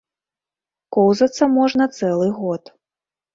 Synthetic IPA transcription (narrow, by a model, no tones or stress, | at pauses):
kɔwzɐt̪sːɐmɔʐnɐt̪sɛlˠɨɣɔt̪